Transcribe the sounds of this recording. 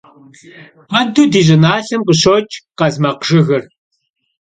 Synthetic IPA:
pɐdudiːʑɪnaːɬɨmqəɕoːt͡ʃʼqɐzmɐqʒ̥ɨɣɐr

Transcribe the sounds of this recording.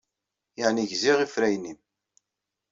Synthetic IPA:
jaʕniʝziʁifɾæjnim

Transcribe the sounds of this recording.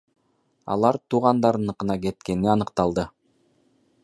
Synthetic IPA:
ɑ̰lˠɑɾt̪uʁɑnd̪ɑɾɯnɤqɯ̆nɑke̞t̪̚ke̞niɑnɤ̆qt̪ɑlˠd̪ɤ

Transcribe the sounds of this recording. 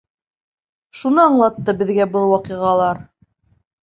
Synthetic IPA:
ʃunɤɑɴlˠɑt̪ːɤbɘ̆ðɡæbɤlˠwɑqiʁɑlˠɑɾ

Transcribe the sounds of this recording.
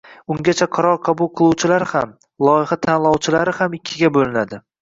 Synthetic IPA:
ʊŋɡʲat͡ʃʰaqʰɑɾɒɾqʰɑbʊlˠqʰɨlˠuwt͡ʃʰɪlaɾham | lˠɒjɪhat̪ʰanlˠɒwt͡ʃʰɪlaɾɪhamɪkʲʰːɪɡʲabolɪnad̪ɪ

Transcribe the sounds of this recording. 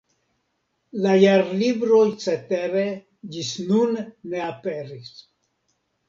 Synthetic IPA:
lajaɾlibɾojt͡set̪eɾe | d͡ʒisnunːe̞apeɾis

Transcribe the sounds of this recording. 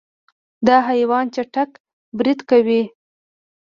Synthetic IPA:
d̪ɑɦajwɑnt͡ʃaʈak | bɾid̪kawi

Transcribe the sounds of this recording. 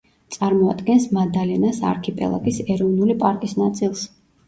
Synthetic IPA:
t̪sʼaɾmɔa̰d̪ɡɛnsmad̪alɛnasa̰ɾkʰipʼɛ̰lˠa̰ɡisɛɾɔvnulipʼaɾkʼisnat̪sʼilˠs

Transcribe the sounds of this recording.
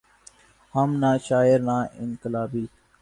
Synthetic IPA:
həmnaːʃaːɪɾnaːʔɪ̰nkəlaːbiː

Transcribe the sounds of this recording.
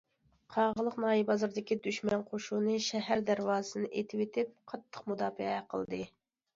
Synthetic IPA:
qʰɑʁəlˠəqnɑːjibɑzɨɾd̪ɪkʲid̪yʃmɛnqʰoʃunɨʃɛɦæɾd̪æɾwɑːsɨnɨʔet̪ʰɪwet̪ʰɪp̚qʰɑt̪ʰːə̥qmud̪ɑːfɨɛqʰəlˠd̪ɨ

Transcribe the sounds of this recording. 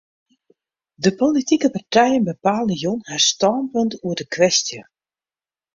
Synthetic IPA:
dəpolitikəpartɛjənbəpaːlˠəjonhastɔːnpɵntuərdəkʋɛstjə

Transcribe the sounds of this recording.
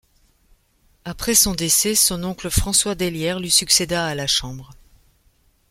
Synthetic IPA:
apχɛsɔ̃d̪esɛsɔ̃nɔ̃kləfχɑ̃swad̪eljɛʁlisyksed̪aːlaʃɑ̃bʁ

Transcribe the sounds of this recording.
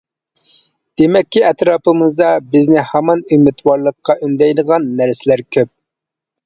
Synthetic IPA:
d̪̥emɛkʲːiɛt̪ɾɑːpɨmɨzd̪ɑbɪznɪhæmɑnymɪt̪ʰwɑɾlˠəqːɑʔynd̪ɛjd̪əʁɑnːæɾsɪlæɾkʲʰøp̚

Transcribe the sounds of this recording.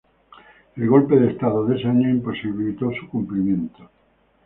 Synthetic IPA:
elɣo̞lpeðest̪aðoðesaɲoimposiβilit̪osukumplimjẽnt̪o

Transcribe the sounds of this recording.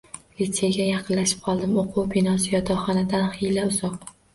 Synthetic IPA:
lit̪seɡʲajɑqʰɨnlaʃɪ̥p̚qʰɒlˠd̪ɪmoqʰuwbɪnɒs̬ɪjɒd̪ɒχɒnad̪anhilaʊzɒq̚

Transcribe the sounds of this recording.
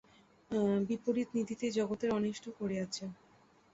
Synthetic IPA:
bipoɾit̪nid̪ʱit̪ed͡ʑɔɡot̪eɾɔniʃʈʰokoɾeat͡ɕʰe

